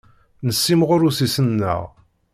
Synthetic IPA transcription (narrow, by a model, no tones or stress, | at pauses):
nəsːimʁʊɾusisənːə̰ʁ